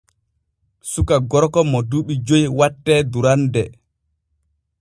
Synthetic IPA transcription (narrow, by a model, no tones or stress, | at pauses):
sukaɡɔɾkɔmɔduɓid͡ʒojwatːɛduɾandɛ